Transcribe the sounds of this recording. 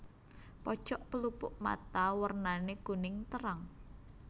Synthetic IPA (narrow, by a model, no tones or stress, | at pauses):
pɔ̥t͡ʃɔʔpəlupʊʔma̰t̪awərnaneɡ̥ṳnɪŋt̪əɾaŋ